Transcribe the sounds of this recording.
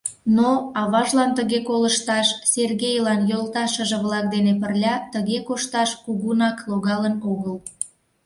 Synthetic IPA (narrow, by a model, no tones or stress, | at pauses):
noɑβɑʒlɑnt̪əɣekoləʃt̪ɑʃserɣejlɑnjolt̪ɑʃə̆ʒĕβlɑk̚d̪enepərlʲɑt̪əɣekoʃt̪ɑʃkuɣunɑkloɣɑlənoɣəl